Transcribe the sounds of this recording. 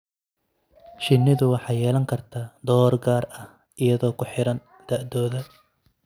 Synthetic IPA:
ʃɪnːɪðʊwɑħɑːjɛːlɐŋkʰɐrt̪ʰaːd̪ɔːrɡaːrɐh | ʔɪjɐðɔːkʰʊħɪɾɐn | d̪̥ɐʔd̪ɔːðɐ

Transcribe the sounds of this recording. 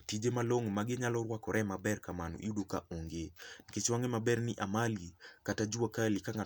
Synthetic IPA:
tid͡ʒemaloŋmaɡɪɲalɔɾwakɔɾʔɛmabɛɾkamanṵʔj̰udokaʔoŋɡeket͡ʃwaŋemabɛɾnɪʔamalikatad͡ʒuakalɪkaŋa

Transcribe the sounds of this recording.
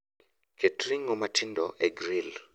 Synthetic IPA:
kʰetɾiŋomatʰɪndɔʔeɡɾil

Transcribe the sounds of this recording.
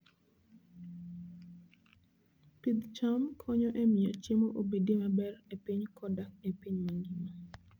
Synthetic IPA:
pid̪t͡ʃamkʰɔɲɔʔemɪɔt͡ʃemoʔobedemabɛrepiɲkʰɔdakepiɲmaŋɡima

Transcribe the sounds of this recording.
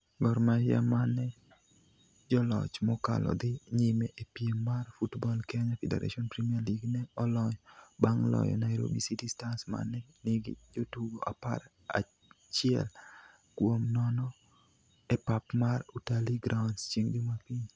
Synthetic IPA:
ɡɔɾmaja̰manɛ | d͡ʒɔlɔ̰t͡ʃmɔka̰lɔ̰d̪ɪɲimeʔepjemːarfutbɔlkɛɲafɛdḛɾa̰ʃiɔnpɾimiarliɡnɛɔlɔɲɔbaŋlɔ̰jɔ̰naɛɾo̰bisitistansma̰nːɛnɪɡɪ̰d͡ʒotuɡoʔapa̰ɾ | a̰ | t͡ʃɪɛ̰l | kwomnɔnɔ | ɛpapmarutaliɡɾʔawnst͡ʃeŋdimapiɲ

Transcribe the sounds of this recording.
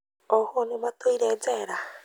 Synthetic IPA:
ohonimatoiɾeːd͡zeːɾa

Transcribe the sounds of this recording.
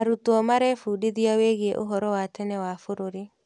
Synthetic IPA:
aɾutuɔmaɾɛfuɗiðiaweɣieʔoɦɔɾɔwatɛnɛwafoɾoɾi

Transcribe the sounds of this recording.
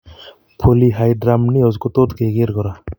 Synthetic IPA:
pʰoliɦajɖɾamniɔd͡zkot̪od̪keɡeɾɡɔɾa

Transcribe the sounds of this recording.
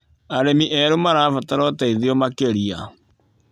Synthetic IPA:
aɾemiʔɛɾumaɾaːfataɾɔtaiðiɔmakeɾia

